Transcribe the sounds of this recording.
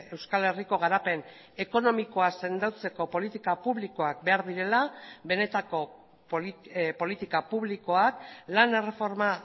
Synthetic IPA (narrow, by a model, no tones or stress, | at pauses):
e̞wskale̞riko̞ɣaɾape̞n | e̞ko̞no̞miko̞ase̞nd̪awt͡se̞ko̞po̞lit̪ikapuβliko̞ak̚be̞aɾðiɾe̞laβe̞ne̞t̪ako̞ | ppo̞lit̪ikapuβliko̞aklane̞re̞fo̞ɾma